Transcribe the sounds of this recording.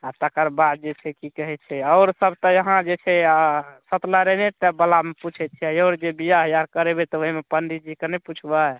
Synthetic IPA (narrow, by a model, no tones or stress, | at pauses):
at̪əkəɾbat̪̚d͡ʒet͡ʃʰɛkikəɦɛt͡ʃʰɛɔʊɾsəbʱt̪ɔjəɦãd͡ʒet͡ʃʰɛasət̪laɾenet̪ɛbəlameput͡ʃʰɛt̪t͡ʃʰiɛjoːɾd͡ʒebijaɦjaɾkəɾebet̪ɔoɦimepənɖid͡ʒikənɛput͡ʃʰba